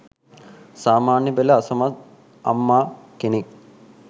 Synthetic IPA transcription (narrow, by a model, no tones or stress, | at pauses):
saːmaːnjɐbelɐːsɐmɐ | ɐ̰mːaːkenik